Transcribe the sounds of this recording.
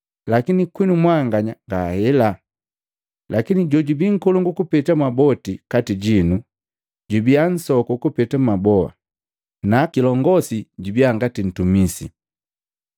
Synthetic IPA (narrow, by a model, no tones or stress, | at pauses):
lakinikwinumwaŋɡaɲaŋɡaːhɛla | lakiniɟɔɟubiŋ̩kɔluŋɡukupɛtamabɔtikatiɟinu | ɟubian̩sɔkɔkupɛtamabɔa̰ | nakilɔŋɡɔsiɟubiaŋɡatin̩tumisḭ